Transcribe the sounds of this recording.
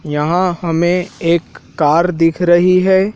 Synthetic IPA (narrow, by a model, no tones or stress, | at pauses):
jɐɦãhɐmẽeːkː | aːɾd̪ɪkʰɾɐɦiɦɛː